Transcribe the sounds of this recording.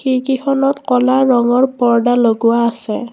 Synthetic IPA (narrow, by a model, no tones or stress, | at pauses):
xikixʰɔnɔtkɔlaɹɔŋɔɹpɔɹdaloɡʊwaːsɛ